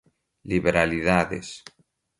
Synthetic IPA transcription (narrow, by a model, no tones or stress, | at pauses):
liβeɾaliðaðḛs